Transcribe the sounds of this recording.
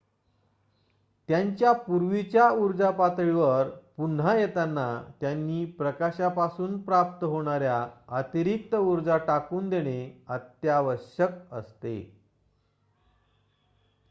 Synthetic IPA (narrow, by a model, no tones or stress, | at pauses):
t̪jaɲt͡ɕjapuɾʋit͡ɕjauɾd͡zapat̪ɾiʋəɾpunɦajet̪anːat̪janːiːpɾəkaɕapasuːnpɾap̚t̪əɦoɽ̃aɾjaət̪iɾik̚t̪əuɾd͡zaʈakuːnd̪eɽ̃eət̪jaʋəɾɕək̚ə̰st̪ḛ